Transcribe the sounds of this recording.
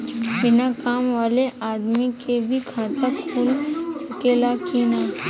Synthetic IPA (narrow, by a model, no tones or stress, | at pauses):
bɪnakaːmʋaːleʔaːd̪mikebʱikʰaːt̪əkpʰʊlsɐkeːlakiːnaː